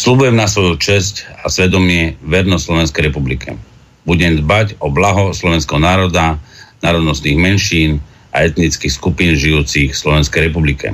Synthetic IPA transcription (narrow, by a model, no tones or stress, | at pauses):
slubujɛmnasʋɔjut͡ʃɛscasʋɛd̪ɔmɪɛʋɛɾnɔslɔʋɛnskɛjɾɛpublikʰɛ̰ | buɟɛmd̪bacɔblaɦɔslɔʋɛnskɛɦɔnaːɾɔd̪anaːɾɔd̪nɔst̪niːɣmɛnʃiːn | a̰ɛt̪nit͡skixskupinʒijuːt͡sixslɔʋɛnskɛjɾɛpublikɛ̰